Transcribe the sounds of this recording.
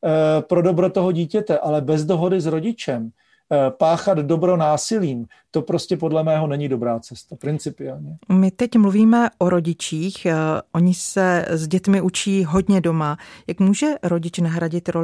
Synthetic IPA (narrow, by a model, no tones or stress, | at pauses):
pɾo̞do̞bɾot̪oɦoɟiːcɛt̪ɛʔalɛbɛzdo̞ɦo̞dɪzɾo̞ɟɪt͡ʃɛm | paːxad̪do̞bɾo̞naːsɪliːm | t̪o̞pɾo̞scɛpodlɛmɛːɦo̞nɛɲɪdo̞bɾaːt͡sɛst̪apɾɪnt͡sɪpɪɛlɲɛmɪt̪ɛcmluviːmɛʔoɾo̞ɟɪt͡ʃiːxʔo̞ɲɪsɛzɟɛt̪mɪʔut͡ʃiːɦo̞dɲɛdo̞majakmuːʒɛɾo̞ɟɪt͡ʃnaɦɾaɟɪt̪ɾo̞